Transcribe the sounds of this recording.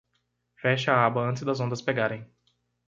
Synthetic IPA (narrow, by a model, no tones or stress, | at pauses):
fɛʃaabɐɐ̃nt̪ɪzd̪ɐzõnd̪ɐspeɡaɾẽj̃